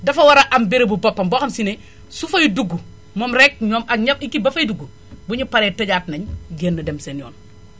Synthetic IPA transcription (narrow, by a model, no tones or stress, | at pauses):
dɐfɐwɐɾɐʔɐmbiɾibubɐpːɐmboːxɐmsine | sufɐjuduɡːu | momɾek̚ɲoːmɐkɲɐpikibɐfɐjiduɡːu | buɲupɐɾetɐɟaːtnɐɲɡeːnːɐdemsenjo̰ːn